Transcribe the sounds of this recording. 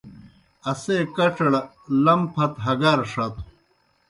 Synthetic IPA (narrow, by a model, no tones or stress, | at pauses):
ɐseːkɐʈ͡ʂɐɽ | lɐmpʰɐt̪ɦɐɡaɾʂɐt̪